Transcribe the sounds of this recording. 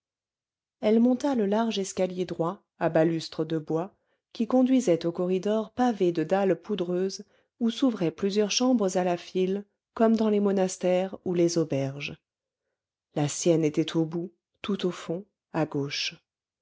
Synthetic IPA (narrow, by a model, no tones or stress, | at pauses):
ɛlmɔ̃t̪aləlaʁʒɛskʲaljed̪ʁwa | abalyst̪χəd̪əbwa | kʲikɔ̃d̪ɥizɛt̪okɔʁid̪ɔʁpaved̪əd̪alpud̪ʁøːz | usuvʁɛplyzjœʁʃɑ̃bʁəzalafil | kɔmd̪ɑ̃lemɔnast̪ɛʁulezɔbɛʁʒ | lasjɛnet̪ɛt̪ʰobu | t̪ut̪ofɔ̃ | aɡoːʃ